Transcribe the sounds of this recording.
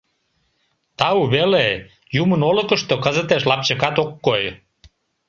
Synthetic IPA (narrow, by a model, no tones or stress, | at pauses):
t̪ɑuβele | jumənoləkəʃt̪okəzət̪eʃlɑp̚t͡ɕəkɑt̪okːoj